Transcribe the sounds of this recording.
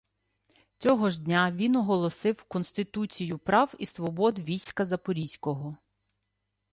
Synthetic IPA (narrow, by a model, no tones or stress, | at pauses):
t͡sʲɔɦɔʒdʲnʲaʋʲinɔɦɔlˠɔsɪwkɔnst̪ɪt̪ut͡sʲijʊpɾɑwisʋɔbɔd̪ʋʲijsʲkɐzɐpɔɾʲisʲkɔɦɔ